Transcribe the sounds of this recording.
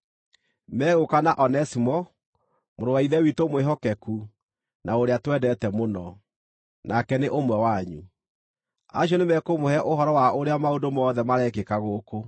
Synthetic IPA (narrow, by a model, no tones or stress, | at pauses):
mɛːɣokanaʔɔnɛsimɔ | moɾowaiðɛwitomweɦɔkɛku | nʔaoɾeatwɛdɛtɛmonɔ | nʔakɛneʔomwɛwaɲṵ | a̰ɕ̬jɔnemɛkomohɛʔoɦɔɾɔwaoɾeamaondomɔːðɛmaɾɛkekaɣoːko